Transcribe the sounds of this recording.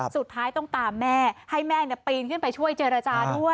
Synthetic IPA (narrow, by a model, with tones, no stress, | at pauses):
su˨˩t̪ʰːaː˦˥jt̪ɔ˥˩ŋt̪aː˧mːɛː˥˩ha˥˩jmɛː˥˩ni˥˩piː˧nkʰɯ˥˩npa˧jt͡ɕʰu˥˩əjt͡ɕeː˧ɾa˧t͡ɕaː˧du˥˩əj